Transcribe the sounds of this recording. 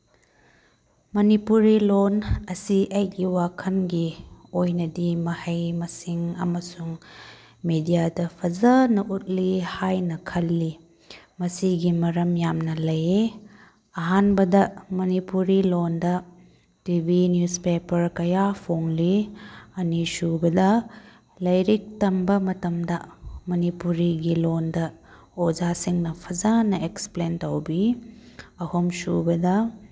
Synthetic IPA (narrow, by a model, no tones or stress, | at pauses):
mɐnipuɾilonɐsiʔɐjɡiwakʰɐnɡiojnɐdimɐhɐjmɐsiŋɐ̰mɐsuŋ | medijadɐpʰɐzɐnɐʔut̚lihajnɐkʰɐlːi | mɐsiɡimɐɾɐmjamnɐlɐje | ɐɦanbɐdɐmɐnipuɾilondɐ | tibʱinjuspepɐɾkɐjapʰoŋliɐnisubɐdɐ | lɐjɾik̚tɐmbɐmɐtɐmdɐmɐnipuɾiɡilondɐ | od͡ʒasiŋnɐpʰɐzanɐeksplentɐwbi | ɐhomsubɐdɐ